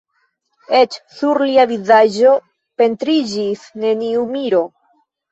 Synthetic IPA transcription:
e̞t͡ʃsuɾliavizad͡ʒo̞ | pe̞ntɾid͡ʒisne̞niumiɾo̞

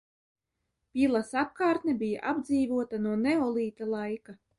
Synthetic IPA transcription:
pʲilˠasap̚kɑːɾt̪nɛbʲija̰ʔabd̪ziːvuɔt̪anuɔnɛɔlˠiːt̪alˠajka

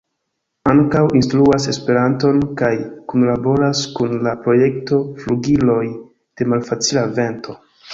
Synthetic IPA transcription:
aŋkawʔinstɾuase̞spe̞ɾanto̞nkajkunlabo̞ɾaskunlapɾo̞je̞kto̞fluɡilo̞j | d̥e̞malfat͡silave̞nto̞

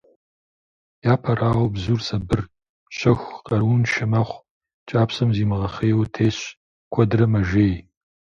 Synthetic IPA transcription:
jaːpʰɐraːwbzuːrsɐbɨr | ɕɐxʷqɐrwunʃɪmaːχʷ | t͡ʃʼaːpsɐmziːmɨʁɐχeːwtʰeːɕ | kʷʰɔdrɐmɐʒeːj

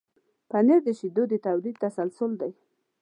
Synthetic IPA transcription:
paneɾd̪əʃid̪od̪ət̪awlid̪̚t̪asalsʊld̪aj

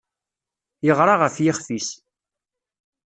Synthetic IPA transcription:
jəʁɾˤɑʁəfjɪχfis

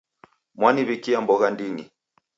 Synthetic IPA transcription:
mwaniβikiambɔɣandini

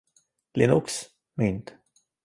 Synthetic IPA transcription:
lɪnʊks | mʏnt̪

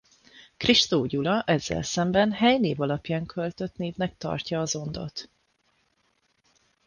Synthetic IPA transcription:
kriʃt̪oːɟulɒʔɛzːɛ̰lsɛmbɛnɦɛjneːvɒlɒpjaːŋkʰølt̪ø̞t̪neːvnɛk̚t̪ɒ̰rcɒːzo̞nd̪o̞̰t̪

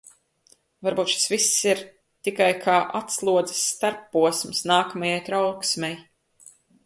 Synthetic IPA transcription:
vaɾbuːt̪ʃi̥svisːiɾ | t̪ikajkʰaːʔat̪slˠuɔd̪zɨ̥sːt̪aɾpːuɔsmsnaːkɐmajajt̪ɾawksmʲɛj

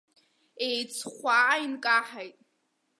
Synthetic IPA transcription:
ejt͡sʰχʷainkʼaħajtʼ

